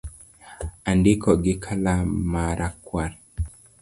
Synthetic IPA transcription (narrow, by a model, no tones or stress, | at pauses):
andɪkɔɡɪkʰalamaɾʔakwaɾ